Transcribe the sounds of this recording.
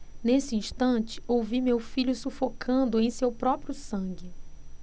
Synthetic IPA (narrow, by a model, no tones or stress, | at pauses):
nesɪĩʃt̪ɐ̃t͡ʃɪ̥owvimewfiʎʊsufokʰɐ̃nd̪ʊẽj̃sewpɾɔpɾijʊsɐ̃ɡɪ